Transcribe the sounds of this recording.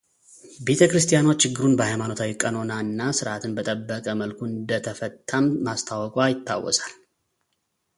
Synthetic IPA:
be̞t̪ʰəkɾɨst̪ʼijano̞t͡ʃːɪɡːɨɾunbəhajmano̞t̪ʰawikʼːəno̞naɨnːasɨɾʔat̪ʰɨnbət̪ʼəbːəkʼəməlkʰuɨnd̪ət̪ʰəfət̪ʰːamːast̪ʰawɔkʼwajɪt̪ʰːa̰wːɔ̰sal

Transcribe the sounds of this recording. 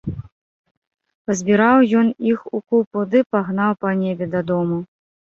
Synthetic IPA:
pɐzʲbʲiɾawjɔnixukupud̪ɨpaɣnawpɐnʲɛbʲɛd̪ɐd̪ɔmu

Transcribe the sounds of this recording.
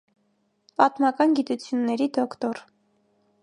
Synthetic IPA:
pɑt̪mɑkɑnɡit̪ut͡sʰjunːɛɾid̪ɔkt̪ɔɾ

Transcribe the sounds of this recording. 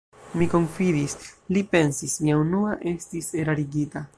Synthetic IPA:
miko̞nfidislipe̞nsismiaunuaʔe̞stise̞ɾaɾiɡita

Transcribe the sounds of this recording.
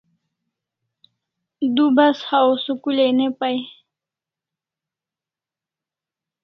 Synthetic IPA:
d̪ubashawsukulejnepaj

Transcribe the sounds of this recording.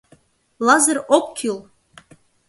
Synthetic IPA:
lˠɑzərokːʲʰylˠ

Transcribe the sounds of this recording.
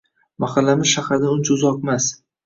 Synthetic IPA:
maχalːamɪz̥ʃaχaɾd̪aʊnɪt͡ʃʰaʊzɒq̚mas

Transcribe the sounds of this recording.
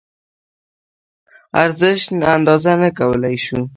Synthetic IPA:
a̰ɾzɪʃnand̪ɑzanakawəlajʃu

